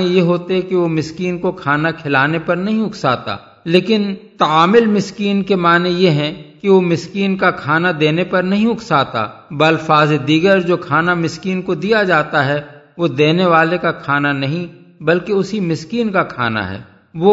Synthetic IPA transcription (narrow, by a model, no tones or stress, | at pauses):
ejeɦoːt̪eɦɛ̃kiʋomɪskiːnkokʰaːnakʰɪlaːnepɐɾnɐɦĩʊkʰsaːt̪a̰ː | leːkɪnt̪aaːmɪlmɪskiːnkemaːnejeɦɛ̃kiʋomɪskiːnkakʰaːnad̪eːnepɐɾnɐɦĩʊkʰsaːt̪a̰bɐlfaːzed̪iːɡəɾd͡ʒoːkʰaːnamɪskiːnkod̪ijad͡ʒaːt̪aɦɛ | ʋod̪eːneʋaːlekakʰaːnanɐɦĩ | bɐlkeʊsimɪskiːnkakʰa̰ːna̰ɦɛ̰ː | ʋo